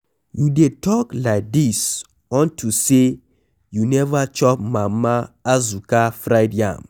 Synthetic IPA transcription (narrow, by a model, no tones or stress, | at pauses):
judetɔklaɪk̚dis | ɔ̃ntuse | junɛvat͡ʃɔp̚mãmaazukafɾaɪdjã̰m